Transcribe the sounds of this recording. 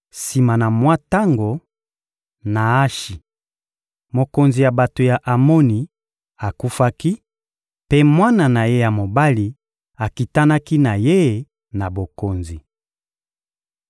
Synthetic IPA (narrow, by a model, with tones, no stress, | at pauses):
si˨ma˨na˨mwa˦ta˦ŋɡo˨ | na˨a˦ʃi˨ | mo˨ko˨nzi˨ja˨ba˨to˨ja˨ʔa˨mo˦ni˨ | a˨ku˦fa˦ki˦ | pe˦mwa˦na˨na˨je˦ja˨mo˨ba˦li˨ | a˨ki˨ta˦na˦ki˦na˨je˦˨ | na˨bo˨ko˨nzi˨